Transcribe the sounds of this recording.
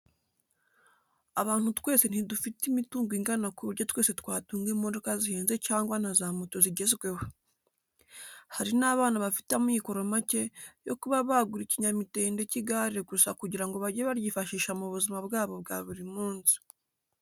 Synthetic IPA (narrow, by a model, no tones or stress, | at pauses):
aβaːn̥hutwe̞ːse̞n̥idufitimituːŋɡwiŋɡanakuβuɾɟotwe̞ːse̞twaːtuːŋɡemo̞do̞kaziheːnze̞caːŋɡwan̥azamuto̞ziɟe̞zɡwe̞ho | haɾinaːβaːnaβafi̥tamiko̞ɾo̞mace̞jo̞kuβaβaɡuɾiciɲamite̞ːnde̞ciɡaɾiɾeɡusakuɟiɾaŋɡo̞βaɟeβaɾjifaʃiːʃamuβuzimaβɡaːβo̞bɡaβuɾimuːnzi̥